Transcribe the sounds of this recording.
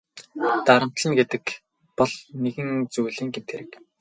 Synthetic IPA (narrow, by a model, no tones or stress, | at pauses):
t̪aɾə̆m̥t̪ɮə̆nɡet̪ɘ̆k | pɔɮneɣɘ̆ŋt͡sujɮiːŋɡemt̪ʰeɾɘ̆k